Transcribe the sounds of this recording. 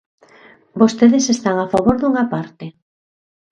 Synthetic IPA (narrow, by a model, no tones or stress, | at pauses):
bost̪eðesest̪aŋafaβoɾðuŋapaɾt̪ɪ